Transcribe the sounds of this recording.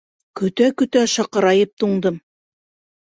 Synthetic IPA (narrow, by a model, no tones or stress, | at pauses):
kɵ̆t̪ækɵ̆t̪æʃɑqɤ̆ɾɑjɤp̚t̪uɴd̪ɤm